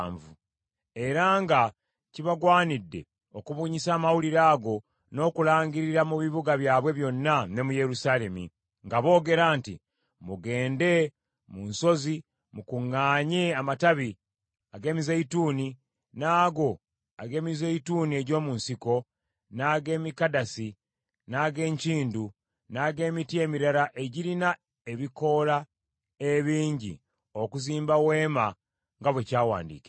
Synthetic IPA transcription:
ɱvṵ | e̞ɾaŋɡa | ciβaɡwaːnidːe̞̰ | okuβuːɲisaːmawuliɾaːɡo̞ | no̞ːkulaːɲɟiɾiɾamuβiβuɡaβjaːβwe̞βjo̞nːane̞muje̞ɾusaːle̞mḭ | ŋɡaβo̞ːɡe̞ɾaːntḭ | muɡe̞ːnde̞ | munso̞zi | mukuŋːaːɲeamataβi | aɡe̞ːmizeituːni | naːɡo̞ | aɡe̞ːmizeituːnie̞ɟo̞ːmunsiko̞ | naɡe̞ːmikadasi | naɡe̞ːɲciːndu | naɡe̞ːmitie̞ːmiɾaɾaʔe̞ɟiɾina | eβiko̞la | eβiːɲɟḭ | okuziːmbawe̞ːma | ŋɡaβwecaːwa̰ːndḭːke̥

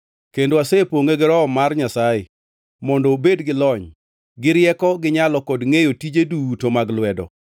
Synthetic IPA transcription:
kendoasepoŋeɡɪɾɔɔmarɲasajɪ | mɔndɔbedɡɪlɔɲ | ɡɪɾɪjɛkɔɡɪɲalɔkɔdŋejotid͡ʒedutomaɡlwɛdɔ̰

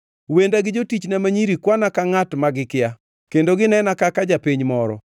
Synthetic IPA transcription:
wendaɡɪd͡ʒotit͡ʃnamaɲiɾikwanakaŋatmaɡɪkɪja | kendoɡɪnɛnakakad͡ʒapiɲmɔɾɔ̰

